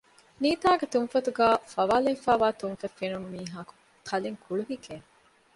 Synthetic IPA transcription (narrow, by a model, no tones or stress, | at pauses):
niːt̪aːɡet̪unfɐt̪uɡæːfɐʋaːlefæːʋaːt̪unfɐfːenunumiːɦaːku̥ | kʰɐleŋkʰuɭuɦikeːn